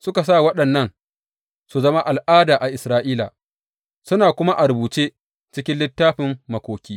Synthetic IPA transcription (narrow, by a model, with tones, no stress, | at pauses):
sʊ˦ka˨s̬aː˦˨wɐ˦ɗɐ˨nːɐ˦n | su˨zɐ˦ma˦ʔa˨lʔaː˦daː˨ʔa˨ʔɪ˨sɾaː˦ʔiː˦la̰˨ | sʊ˦naː˨kʷʊ˦ma˦ʔa˨ɾʊ˨buː˨t͡ʃeː˦ | t͡ʃɪ˦kʲɪ˦nlɪ˦tːaː˦ɸɪ˨mːɐ˨kʷoː˨kʲiː˦